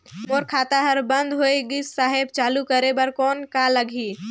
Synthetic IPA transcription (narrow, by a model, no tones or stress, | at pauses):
moːɾkʰaːt̪aɦəɾbə̃nd̪ɦoeɡisːaːɦɪbt͡ʃaːlukəɾebəɾkɔːnkaləɡʱiː